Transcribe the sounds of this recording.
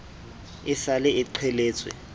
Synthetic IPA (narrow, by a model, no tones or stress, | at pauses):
ɪsalɛɪǃʰɛleːt͡sʼwɛ̰